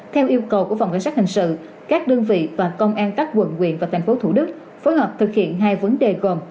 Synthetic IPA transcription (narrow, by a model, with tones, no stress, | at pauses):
t̪ʰɛ˧wʔi˧əwkə˨˩wku˧˩əfa˨˩ŋ͡mkjŋsa˦˥k̚hï˨˩ŋ̟sɨ̰˧˨ | kaː˦˥k̚ɗə˧nvḭ˧˨vaː˨˩kə˧wŋ͡mʔaː˧nkaː˦˥k̚kwə̰˧˨nkwḭ˧˨ənvaː˨˩t̪ʰa˨˩jŋ̟fo˨˦t̪ʰu˧˩ɗɨ˦˥k̚ | foː˨˦jhɔː˨˩p̚t̪ʰɨ˨˩k̚hḭ˧˨ənɦaː˧jvə˨˦nɗe˨˩ɣo˨˩m